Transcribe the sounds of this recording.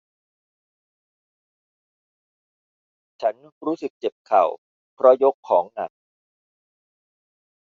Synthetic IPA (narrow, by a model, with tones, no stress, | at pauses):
t͡ɕʰa˦˥nɾuː˦˥sɯ˨˩k̚t͡ɕe˨˩p̚kʰa˨˩w | pʰɾɔ˦˥jo˦˥kʰːɔː˩˦ŋna̰˨˩k̚